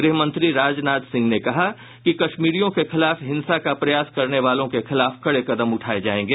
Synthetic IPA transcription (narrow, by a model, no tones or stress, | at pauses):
ɡɾɪːɦmɐ̃nt̪ɾiɾaːd͡ʒnaːt̪sɪ̃ŋɡnekɐɦa | kikɐʃmiːɾijõkexɪlaːfɦɪ̃nsakapɾɐjaːskɐɾneʋaːlõkexɪlaːfkɐɽekɐd̪əmʊʈʰaːed͡ʒaːẽːŋɡeː